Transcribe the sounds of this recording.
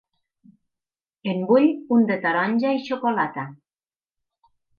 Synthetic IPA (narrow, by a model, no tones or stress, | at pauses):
embuʎund̪et̪aɾɔnʲʒaiʃokolat̪a